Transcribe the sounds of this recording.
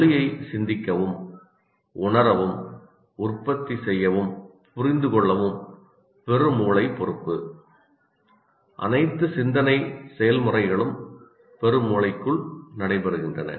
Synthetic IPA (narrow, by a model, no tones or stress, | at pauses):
ɪjɐɪsɪnd̪ɪkːɐʋɯm | ʊɳɐɾɐʋɯm | ʊrpːɐt̪ːisɛjːɐʋɯm | pʊrɪnd̪ɯkɔɭːɐʋɯm | pɛɾɯmuːɭɐɪpɔɾɯpːɯ | ʔɐ̰nɐɪt̪ːɯsɪnd̪ɐnɐɪsɛjɐlmɯrɐɪɣɐɭɯm | pɛɾɯmuːlɐɪkːɯɭnɐɽɐɪpɐɾɯɣɪndrɐnɐ̰